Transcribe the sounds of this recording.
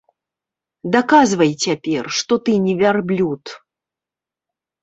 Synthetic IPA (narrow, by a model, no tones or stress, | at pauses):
d̪akazvɐjt͡sʲapʲɛrʂt̪ɔt̪ɨnʲɛvʲarblʲut̪